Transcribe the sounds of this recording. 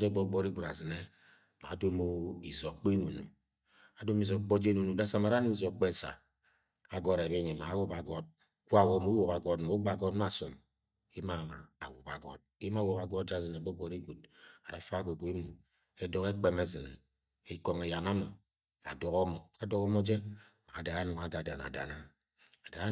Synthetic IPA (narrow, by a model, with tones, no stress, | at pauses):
d͡ʒe˦ɡ͡bɔ˦ɡ͡bɔ˦ɾi˦ɡʷu˨ɾa˨zi˨ne˦˨ | ma̰˨do˦mo˦i˨zo˨k͡pe˦nu˨nṵ˨ | a˨do˦m˦i˨zɔ˨˦k͡po˦d͡ʒe˦nu˨nu˨da˦sa˨ma˨ɾa˦nu˦i˦zɔ˨k͡pe˦˨sa̰˨ | a˨ɡɔ˦ɾe˨be˦ɲe˨ma˨˦wu˦ba˨ɡɔ˦d̚ | kʷa˦˨wɔ˨mu˦wo˨ka˨ɡɔ˦dmo˨o˦ɡ͡ba˨ɡɔ˦dm˦a˦˨so˨m | i˦ma˨ma̰ː˨wu˨pa˨ɡɔ̰˨t̚i˦ma˦wo˦ka˨ɡɔ˦t̚d͡ʒa˦zi˨ne˨bo˦ɡ͡bɔ˨ɾi˦ɡʷu˨d̚a˨da˨fa˦ɡo˨ɡu˨˦i˦mu˨ | e˦dɔ˦ke˦k͡pe˦me˦zi˨n | i˦ko˨ŋe˨ja˨na˦ma̰˨ | a̰˨dɔ˨kɔ˦mɔ˨a˨dɔ˦kɔ˦mɔ˦d͡ʒe˦ | ma˨da˨a˦no˨ŋa˨da˨da˨na̰˨da̰˨na˦ | a˨da˨˦